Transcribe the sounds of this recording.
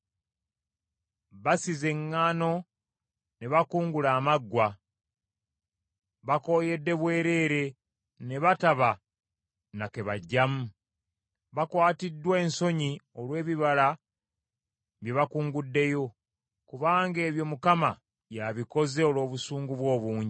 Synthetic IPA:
βasize̞ŋːaːno̞ | ne̞βakuːŋɡulaːmaɡːwa | βako̞ːje̞dːe̞βwe̞ːɾe̞ːɾe̞ | ne̞βataβa | nake̞βaɟːamu | βakwaːtidːwe̞ːnso̞ɲio̞lwe̞ːβiβala | βjeβakuːŋɡudːe̞jo̞ | kuβaːŋɡe̞ːβjo̞mukama | jaβiko̞ze̞olo̞ːβusuːŋɡuβwo̞ːβuːɲɟi

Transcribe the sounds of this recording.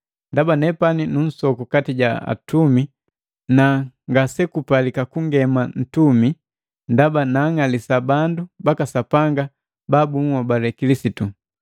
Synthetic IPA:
ndabanɛpaninun̩sɔkukatiɟaa̰tumi | naŋɡasɛkupalikakuŋɡɛman̩tumi | ndabanaŋalisabandubakasapaŋɡa | babuŋwabalɛkilisitu

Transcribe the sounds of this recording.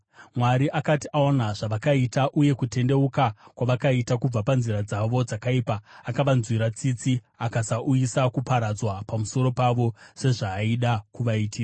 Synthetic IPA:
mwaɾiʔakatiʔaonaʐ̥aʋakaitaʔuje̞kute̞nde̞ukakwaʋakaitakub͡vapanziɾad͡zaʋo̞d͡zakaipaːkaʋanzwiɾat͡sit͡si | akasaʔujisakupaɾad͡zwapamuso̞ɾo̞paʋo̞se̞ʐaːiɗakuʋaitiːra

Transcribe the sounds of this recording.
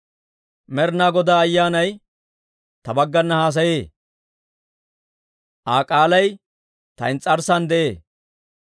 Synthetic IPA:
mɛɾnaːɡɔd̪aːɐjːaːnɐj | t̪ɐbɐɡːɐnːɐhaːs̬ɐjeː | ʔaːkʼaːlɐj | t̪ɐ̰ɪnt͡sʼːɐɾsɐnd̪ɛʔeː

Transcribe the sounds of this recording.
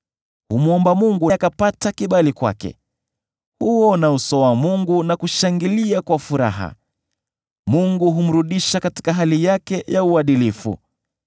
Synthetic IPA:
humuɔmbamuŋɡuakapatakiɓalikwa̰kɛ̰ | huɔnausɔwamuŋɡunakuʃaŋɡiliakwafuɾa̰ɦa̰ | muŋɡuɦum̩ɾuɗiʃakati̥kaɦalijakɛjauaɗilifṵ

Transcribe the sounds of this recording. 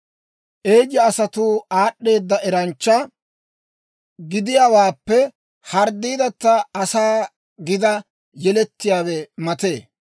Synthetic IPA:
ʔeːd͡ʒːɐːsɐt̪uːaːɗːe̞ːd̪ːɐʔɛɾɐnt͡ʃːɐ | ɡɪd̪ɪjawaːpːɛ | hɐɾd̪ːiːd̪ɐt̪ːɐɐsaː | ɡɪd̪ɐ | jɛlɛt̪ːɪjaːwɛmɐt̪e̞ː

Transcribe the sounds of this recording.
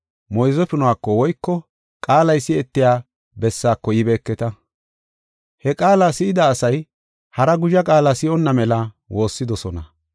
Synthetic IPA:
mɔjzɔfɪnʊwaːkːɔwɔjkːɔ | kʼaːlɐjsɪɛt̪ːɪjaː | bɛsːaːkːɔjɪbe̞ːkːɛt̪ɐ | hɛkʼaːlasɪʔɪd̪ɐːsɐj | hɐɾɐɡʊʒɐkʼaːlasɪʔɔnːɐmɛlɐ | wo̞ːsːɪd̪ɔsɔnɐ

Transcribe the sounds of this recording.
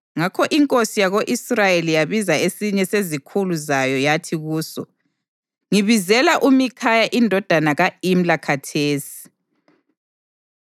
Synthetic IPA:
ŋakʰɔʔiŋkʼosijaɣoʔisrajelijaβizaesiɲɛsezikʰuluzajɔjatʰiɣuːsɔ | ŋiβizɛlaʔumikʰajaʔindʱɔd̥ʱanaɣaim̩lakʰatʰeːsi̥

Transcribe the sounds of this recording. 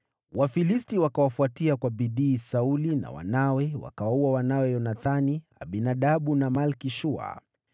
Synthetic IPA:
wafilistiwakawafuatiakwaɓiɗiːsaulina̰wa̰nawɛwa̰kawauwawanawɛjɔnaθania̰ɓinaɗaɓunamalkiʃua̰

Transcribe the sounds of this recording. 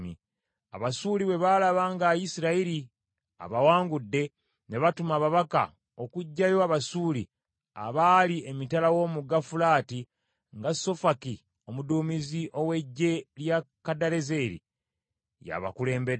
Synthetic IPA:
mḭ | a̰βasuːliβe̞βalaβaːŋɡajisiɾaiɾi | a̰βawaːŋɡudːe̞ | ne̞βatumaːβaβaka̰ | okuɟːajo̞aβasuːli | a̰βaːliemitalawo̞muɡafulaːti | ŋɡaso̞faki | o̞muduːmiziʔo̞we̞ɟːe̞ljakadaɾe̞ze̞ɾḭ | ja̰βa̰kule̞ːmbed

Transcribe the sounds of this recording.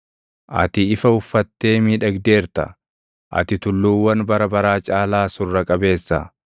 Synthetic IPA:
ʔɐ̰t̪ɪɪfɐʊfːɐt̪ːe̞ːmiːᶑɐɡd̪e̞ːɾt̪ɐ̰ | ʔɐ̰t̪ɪt̪ʊlːuːwːɐnbɐɾɐbɐɾaːt͡ʃʼaːlaːsʊrːɐkʼɐbe̞ːsːɐ̰

